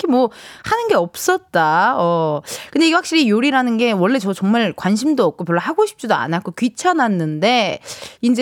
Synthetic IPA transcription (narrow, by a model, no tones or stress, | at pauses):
kemwʌhanɯnɡe̞ʌp̚s͈ʌt̚t͈aʌkɯndeiɡeɸwakɕ͈iɾijoɾiɾanɯnɡe̞wʌɭːe̞t͡ɕʌt͡ɕʌŋmaɭkwanɕ̬ʰimdoʌp̚k͈opjʌɭːohaɡoɕʰi̥p̚t͡ɕ͈idoa̰nak͈okɥit͡ɕʰananːɯnde̞ind͡ʑe